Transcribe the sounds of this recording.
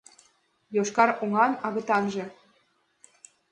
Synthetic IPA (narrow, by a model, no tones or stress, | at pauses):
joʃkɑɾuŋɑnɑɣɤ̆t̪ɑnʒɤ̆